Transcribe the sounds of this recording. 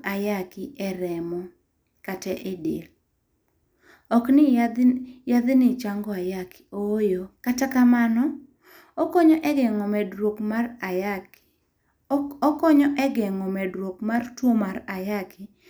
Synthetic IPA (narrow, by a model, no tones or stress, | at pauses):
ajakɪʔɛɾɛmɔ | katɛʔedḛl | ɔknɪ | jaðɪnɪt͡ʃaŋɡɔajakɪ̥ojokatakamanɔ | okɔɲɔʔɛɡɛŋɔmɛdɾwokmara | ɔkɔɲɔʔɛɡɛŋɔmɛdɾwokmartwomaɾajakɪ